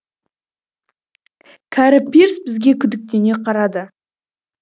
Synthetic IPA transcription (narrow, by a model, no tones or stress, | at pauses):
kʲʰæɾɪpʲːeɾsbɪzɡʲe̞kʲʰʏd̪ɪk̚t̪e̞ne̞qʰɑɾɑd̪ə